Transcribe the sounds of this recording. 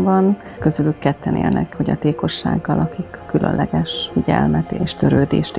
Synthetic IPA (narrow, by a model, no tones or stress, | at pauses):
bɒn | kø̞zylykːɛt̪ʰːɛnḛːlnɛkhoɟɒt̪eːko̞ʃːa̰ːɡːɒlʔɒkikːylʔø̰nlɛɡɛʃfiɟɛ̰lmɛt̪eːʃt̪ø̞ɾøːd̪eːʃt̪